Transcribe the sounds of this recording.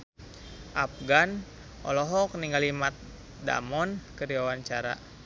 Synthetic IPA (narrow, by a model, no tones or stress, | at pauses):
ʔap̚ɡan | ʔɔlɔɦɔk̚niŋɡalimat̪̚ | da̰mɔnkəɾiwawaɲt͡ʃaɾa̰